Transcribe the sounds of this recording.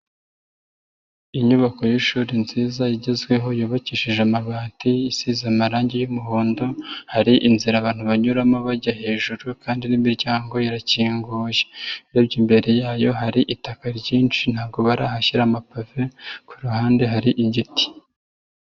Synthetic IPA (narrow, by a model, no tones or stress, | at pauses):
iɲuβako̞juʃuːɾinziːzajiɟezɡwe̞ɦo̞joːβaciʃiʒeamaβaːtiisiːzamaɾaːɲɟejumuɦoːndo̞haɾiʔinziɾaːβaːn̥huβaɲuɾamoβaɟaɦe̞ːʒuɾukaːndinimiɾɟaːŋɡo̞jiɾaciːŋɡuːʒeɾebɟiːmbe̞ɾe̞jaːjo̞ɦaɾiʔitakaɾɟiːnt͡ʃin̥haːbɡo̞βaɾaɦaçiɾamapave̞kuɾuɦaːnde̞ɦaɾiʔiɟiti̥